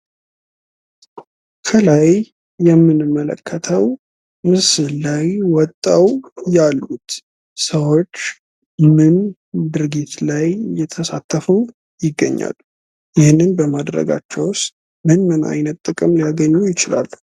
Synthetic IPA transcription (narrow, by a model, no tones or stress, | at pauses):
kʰəlajː | ɛmːɨnɨmːələ̰kʰːət̪ʰəw | mɨsɨlajwɔt̪ʼːəwjalːut̪ | səwo̞t͡ʃː | mɨn | d̪ɨɾɡit̪lajjɛt̪ʰəsat̪ʰːəfu | jɪɡːə̰ɲːa̰l | jɪhnːɨnbəmad̪ɾə̰ɡa̰t͡ʃːɛwst̪ | mɨnmɨna̰jnət̪ʼːɨkʼɨmlijaɡəɲːujɪt͡ʃɪla̰lːu